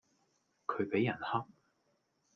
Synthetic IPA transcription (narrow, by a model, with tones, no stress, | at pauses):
kʰɵ˨˧ɥpe˨˥jɐ˨˩nhɐ˥k̚